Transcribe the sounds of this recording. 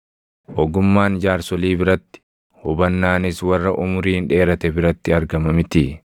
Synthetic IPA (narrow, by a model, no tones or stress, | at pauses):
ʔɔɡʊmːaːnd͡ʒaːɾsɔliːbɪɾɐt̪ːɪ̥ | hʊbɐnːaːnɪswɐrːɐʔʊmʊɾiːnᶑe̞ːɾɐt̪ɛbɪɾɐt̪ːɪɐɾɡɐmɐmɪt̪ɪ